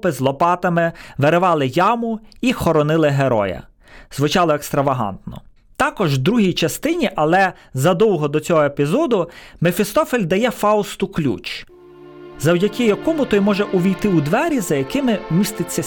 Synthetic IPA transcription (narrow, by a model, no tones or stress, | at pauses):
pɪzlˠɔpɑt̪ɐmɪʋeɾɪʋɑlˠɪjɑmʊixɔɾɔnɪlˠɪɦeɾɔ̰jɐ̰ | zʋɪt͡ʃɑlˠɔekst̪ɾɐʋɐɦɑ̰nt̪nɔ̰ | t̪ɑkɔʒd̪ɾuɦʲijt͡ʃɐst̪ɪnʲiʔɐlˠɛ | zɐd̪ɔwɦɔd̪ɔt͡sʲɔɦɔepʲizɔd̪ʊmefʲɪst̪ɔfelʲd̪ɐjɛfɑʊst̪ʊklʲṵt͡ʃ | zɐwdʲɐkɪjɐkɔmʊt̪ɔjmɔʒɛʔʊʋʲijt̪ɪud̪ʋɛɾʲizɐjɐkɪmɪmʲist̪ɪt͡sʲːɐ